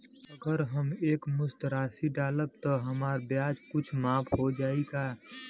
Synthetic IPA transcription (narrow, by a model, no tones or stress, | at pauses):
əɡəɾɦəmeːkmʊst̪ɾaːsiɖaːləb̚t̪oɦəmaːɾbjaːd͡ʒkʊt͡ʃʰmaːpʰɦod͡ʒaːiɡaː